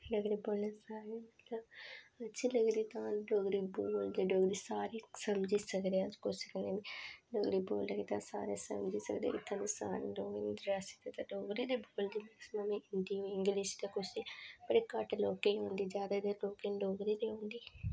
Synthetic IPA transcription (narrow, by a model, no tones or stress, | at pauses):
ləɡɾiːboːlneːsaːɾemət̪ləbətːʃʰiːləɡd̪iːt̪ãːɖoːɡɾiːboːld̪eːɖoːɡɾiːsaːɾiːsəmd͡ʒiːsəkd̪ead͡ʒkoːsəkneniɖoːɡɾiːboːləɡeːt̪ãːsa̰ːɾesə̰md͡ʒiːsə̰kd̪ḛɪt̪ʰːãːd̪isaːɾḛloːɡend̪ɾɾaːsi̥t̪et̪ãːɖoːɡɾiːd̪eːboːld̪iːməksmamẽɪnd̪iːoɪŋɡlɪʃt̪akʊt͡ʃʰibəɽekəʈloːkeɦõːnd̪iːd͡ʒjaːd̪aːd̪eɾloːkeɖoːɡɾiːd̪iːɦõːnd̪iː